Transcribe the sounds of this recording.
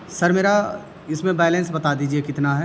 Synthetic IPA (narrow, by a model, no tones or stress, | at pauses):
sɐɾmeːɾa | ɪsmẽbɛːlẽnsbɐt̪ad̪iːd͡ʒiekɪt̪naɦɛ